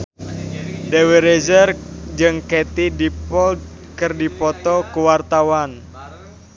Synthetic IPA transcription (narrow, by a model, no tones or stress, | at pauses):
deweɾed͡ʒərd͡ʒɨŋket̪idipɔld̚ | kɨrdipɔt̪ɔkuwart̪awan